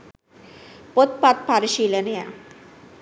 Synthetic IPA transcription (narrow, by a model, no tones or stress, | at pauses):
pot̪̚pat̪̚paɾiʃiːlɐneja̰